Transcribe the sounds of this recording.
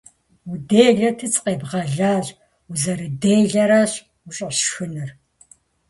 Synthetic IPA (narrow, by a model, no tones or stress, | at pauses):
udeːɮɐtʰɨt͡sʼqeːbʁɐɮaːɕʼ | uzɐɾɨdeːɮɐɾɐɕ | uɕʼɕxɨnɨr